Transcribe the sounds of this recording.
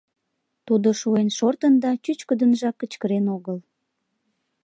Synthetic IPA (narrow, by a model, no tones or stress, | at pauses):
t̪ud̪oʃuenʃort̪ənd̪ɑt͡ɕyt͡ɕkəd̪ənʒɑkːət͡ɕkəɾenoɣəl